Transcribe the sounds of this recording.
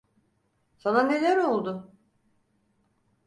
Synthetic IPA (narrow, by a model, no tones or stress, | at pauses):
sanane̞lʲæɾo̞lˠd̪ʊ